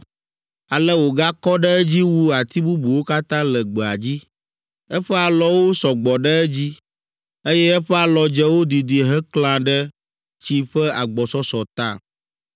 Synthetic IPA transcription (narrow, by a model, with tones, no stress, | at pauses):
a˨lɛ˦wo˨ɡa˦kɔ˦ɖɛ˦ɛ˦d͡ʑi˦wu˦a˨t̪i˦bu˦bu˨wo˦ka˦t̪ã˦lɛ˨ɡ͡bɛ˨a˨d͡ʑi˦ | ɛ˦ɸɛ˦a˨lɔ˦wo˦sɔ˨ɡ͡bɔ˨ɖɛ˦ɛ˦d͡ʑi˦ | e˦jɛ˦ɛ˦ɸɛ˦a˨lɔ˨d͡ʒɛ˦wo˦d̪i˨d̪i˨ɦɛ˦kl̃ã˨ɖɛ˦ | t͡ɕi˦ɸɛ˦a˨ɡ͡bɔ˨sɔ˦sɔ˨t̪a̰˦˨